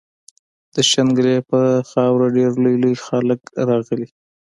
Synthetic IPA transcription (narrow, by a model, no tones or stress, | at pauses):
d̪̥əʃanɡəlepəxɑwɾaɖeɾlujlujxaləkɾɑɣəli